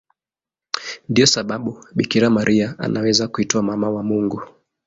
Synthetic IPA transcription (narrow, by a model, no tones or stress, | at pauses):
ndiɔsaɓaɓuɓikiɾamaɾʔiaa̰nawɛzakuitɔamamawamuŋɡu